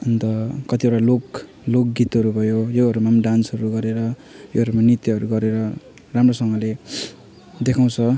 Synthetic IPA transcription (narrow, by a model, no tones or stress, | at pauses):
ʌnt̪ʌkʌt̪ieʈalok | lok̚ɡit̪ʌɾubʱʌjojoɦʌɾumamɖansɦʌɾuɡʌɾeɾʌ | joɦʌɾumanit̪iɦʌɾuɡʌɾeɾʌ | ramrosʌŋɡʌle | d̪ekʰaw̃t͡sʰʌ